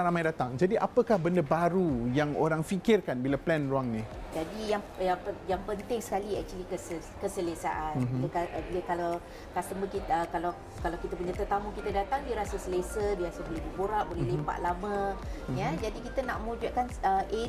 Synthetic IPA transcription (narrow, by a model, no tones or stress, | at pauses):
ɾamajdat̪aŋd͡ʒadiʔa̰pəkahbəndəbaɾujaŋo̰ɾaŋfikɪrkanbilaplɛnɾuaŋnĩd͡ʒadijaŋ | japəjaŋpənt̪ɪŋsə̥kaliɛ̰k̚t͡ʃuəlikəsə | kəsələsa̰ʔakiəkadikalaw | kast̪əməkiəkalaw | kalawkit̪əpuɲat̪ərt̪amũkit̪ədat̪aŋdiəɾasasəlesədiəɾasaməlebuboɾaʔbolɛhlempa̰ʔlamə̃jad͡ʒadikit̪ənaʔməũd͡ʒaʔkanəʔe